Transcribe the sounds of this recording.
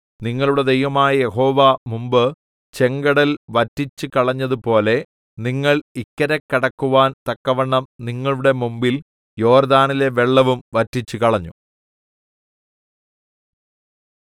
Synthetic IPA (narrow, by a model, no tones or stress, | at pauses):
niŋːɐɭuɽe̞d̪ejʋɐmaːjɐje̞ɦo̞ːʋɐmumbɨ | t͡ɕe̞ŋɡɐɽɐlʋɐtːit͡ɕːɨkɐɭɐɲːɐðupo̞ːle̞ | niŋːɐɭikːɐɾɐkːɐɽɐkːuʋaːnt̪ɐkːɐʋɐɳːɐmniŋːɐɭuɽe̞mumbil | jo̞ːrd̪aːnile̞ʋe̞ɭːɐʋumʋɐtːit͡ɕːukɐɭɐɲːu